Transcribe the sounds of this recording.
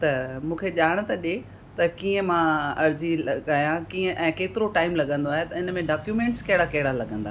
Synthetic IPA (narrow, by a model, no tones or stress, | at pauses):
t̪ɐmũːkʰeʄaːɽ̃̆t̪ɐɗe | t̪ɐkiːə̃mãɐɾd͡ʑilaːijãkiːə̃ʔɛ̃ːkeːt̪ɪɾoʈaːɪmlɐɠə̃nd̪oaːɦet̪ɐɪnə̆mẽɖaːkjuːmẽːɳʈskɐɦɪɽakɐɦɪɽalɐɠə̃nd̪a